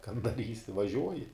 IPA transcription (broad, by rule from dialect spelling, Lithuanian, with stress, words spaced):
kɐn dɐˈrʲiːsʲɪ ʋɐˈʒʲuɔjɪ